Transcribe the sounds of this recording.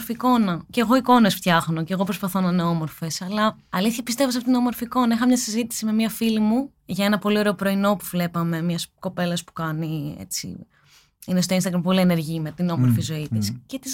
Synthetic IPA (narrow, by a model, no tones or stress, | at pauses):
ɾfiːko̞nɐceɣo̞iko̞ne̞sft̪çɐxno̞ceɣo̞pɾo̞spɐθo̞nɐneo̞mo̞ɾfe̞sɐlɐ | ɐliθçɐpist̪e̞vosɐftot̪inomo̞ɾfiːko̞nɐixɐmɲɐsizit̪i̥sime̞miɐfilimu | ʝɐe̞nɐpo̞lio̞ɾe̞opɾo̞ino̞puvle̞pɐme̞mɲɐsko̞pe̞lɐspu̥kɐniḛt͡sḭ | inest̪o̞inst̪ɐɣɾɐmpo̞liene̞ɾʝimet̪ino̞mo̞ɾfizo̞it̪iscet̪is